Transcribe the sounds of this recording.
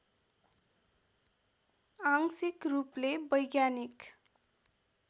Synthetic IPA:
aŋsikruplebʌjɡjanik

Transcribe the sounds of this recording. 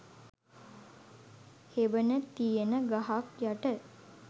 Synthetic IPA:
heʋənət̪ijenəɡaɦakjaʈə

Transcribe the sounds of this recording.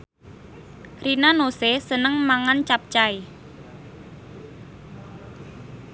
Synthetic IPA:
ɾinanosesənəŋmaŋant͡ʃap̚t͡ʃae

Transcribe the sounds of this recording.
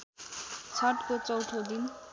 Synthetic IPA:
sʰʌʈkot͡sʌwt̪ʰod̪in

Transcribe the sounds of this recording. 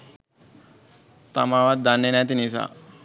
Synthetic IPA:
t̪amaʋat̪̚d̪anːenat̪inisa̰

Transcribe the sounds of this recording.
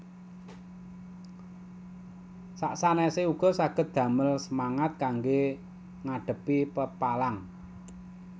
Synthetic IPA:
saʔsanɛsɪuɡ̥ɔ̤saɡ̥ə̤t̪̚d̪̥ä̤məlsəmaŋat̪̚kaŋɡe | ŋaɖ̥ə̤pipəpalaŋ

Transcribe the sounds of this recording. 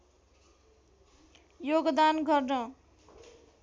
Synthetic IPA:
joɡd̪anɡʌrnʌ

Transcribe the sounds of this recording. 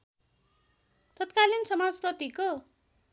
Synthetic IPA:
t̪ʌt̪kalinsʌmad͡zprʌt̪iko

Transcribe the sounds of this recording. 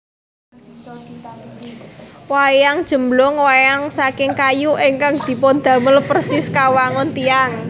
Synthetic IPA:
wajaŋd̥ʒ̥ə̤mblɔŋwajaŋsakɪŋkajuʔeŋkaŋd̪̥i̤pɔnd̪̥ä̤məlpərsɪskawaŋɔnt̪iaŋ

